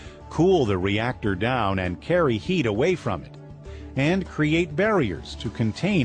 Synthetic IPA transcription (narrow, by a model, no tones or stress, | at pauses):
kʰulˠðɨɹiæk̚tə˞dãʊ̃nɨ̰̃nkʰɛɹihiɾəweɪfɹʌ̰̃mɨɾ | ɨ̃nkʰɹ̥ieɪt̚b̥ɛɹiə̰˞z̥tʰɨkʰɨ̃ntʰẽɪ̃